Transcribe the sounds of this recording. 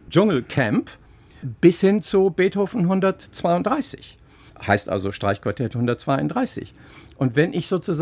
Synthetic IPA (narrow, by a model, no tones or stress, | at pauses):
d͡ʒʊŋl̩kʰɛmp | b̥ɪshɪnt͡subeːthoːfn̩ɦʊndɐtt͡sv̥aɪʊntd̥ʁaɪsɪ̰ç | ha̰ɪstʔa̰lzoʃtʁ̥a̰ɪçkv̥aɐtʰɛthʊndɐt̚t͡sv̥aɪʊndʁaɪsɪ̰ç | ʔʊntv̥ɛnʔɪçz̥oːt͡suz